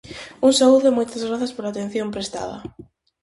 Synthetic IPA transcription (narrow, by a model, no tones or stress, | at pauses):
uŋsauðʊmojt̪ɐzɣɾaθɐspoɾaːt̪en̟θjompɾest̪a̰ðɐ̰